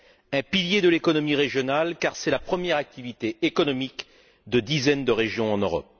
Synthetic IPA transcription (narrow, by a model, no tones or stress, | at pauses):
ɛ̃piljed̪əlekɔnɔmiʁeʒjɔnalkaʁsɛlapχəmjɛʁak̚t̪ivit̪eːkɔnɔmik | d̪əd̪izɛnd̪əʁeʒjɔ̃ɑ̃nøʁɔ̰p̚